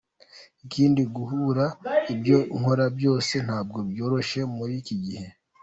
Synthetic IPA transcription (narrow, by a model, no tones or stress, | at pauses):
iciːndiɡuɦuɾaibjo̞ŋ̥ho̞ɾabjo̞ːse̞n̥haːb̚ɡo̞bjo̞ːɾo̞ʃe̞muɾiciɡihe̞